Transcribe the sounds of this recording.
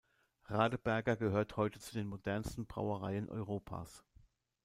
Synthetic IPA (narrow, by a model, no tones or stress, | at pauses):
ʁaːdəb̥ɛɐɡɐɡəɦøːɐthɔʏtət͡sudeːnmodɛɐnstn̩bʁa̰ʊəʁaɪənʔɔ̰ʏʁoːpʰa̰ːs